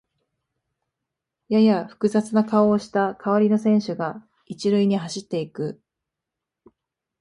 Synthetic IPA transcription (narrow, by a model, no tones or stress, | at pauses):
jajaɸɯ̟̥kɯ̟zat͡sɨnakao̞ːɕi̥t̪akʰaβaɾʲino̞sẽ̞ɰ̃ɕɨɡa | it͡ɕiɾɯ̟iɲ̟iɦaɕit̪ːe̞ikɯ̟